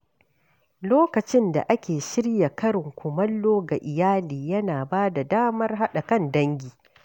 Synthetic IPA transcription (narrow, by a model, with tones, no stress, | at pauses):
loː˦kɐ˨t͡ʃɪ˦nda̰˨ʔa˦kʲeː˨ʃɪ˦ɽja˨kɐ˦ɾɪ˨ŋkʷʰʊ˨mɐ˦lːoː˦ɡa˨ʔɪ˨jaː˦liː˨jɐ˦naː˨baː˦da˨daː˦mɐ˦rɦa˦ɗa˨kɐ˦ndɐ˦ŋɡʲiː˨